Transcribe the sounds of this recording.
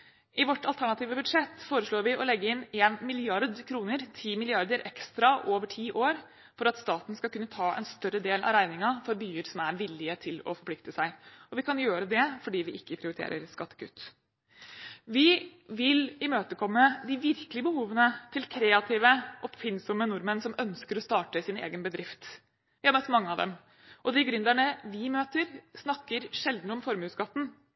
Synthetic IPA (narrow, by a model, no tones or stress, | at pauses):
ʔɪʋɔʈːɑlt̪ʰæɳɑt̪iːʋəbʉd̪ʂɛt̪ːfoːɾəʂlɭoːɾʋɪʔɔlɛɡːəɪneːnmɪlɪɑɾd̪kʰɾuːnəɾt̪ʰiːmɪlɪɑɾd̪əɾʔɛkst̪ɾɑʔoːʋəʈʰiːʔoːɾ | fɔɾɑt̪st̪ɑːt̪n̩skɑlkʰʉnːət̪ʰɑːʔɛ̰nst̪œɾəd̪eːlʔɑ̰ɾæɪnɪŋɑfɔɾbyːəɾsɔmæɾʋɪlɪət̪ʰɪlɔ̰fɔɾpʰlɪkt̪əsæɪʔɔʋɪkʰɑnjøːɾəd̪ɛfɔɖiːʋɪʔɪkːəpʰɾɪʊɾɪt̪ʰḛːɾə̰ɾskɑt̪ːə̥kʰʉt̪ː | ʋɪʋɪlɪmøːt̪əkʰɔmːəd̪ɪʋɪɾkəlɪəbəhuːʋənət̪ʰɪlkʰɾeːɑt̪ʰiːʋəʔɔpfɪnsɔmənʊɾmənsɔmœnskəɾɔst̪ɑːʈəsɪnḛːɡənbəd̪ɾɪft̪ | ʋɪhɑɾmœt̪ːmɑŋːəɑʋd̪ɛ̰m | ʔɔd̪ɪɡɾʉnd̪æɳəʋɪmøːt̪əɾsnɑkːəɾʂɛld̪nəɔmfɔɾmʉːsɡɑt̪ːn̩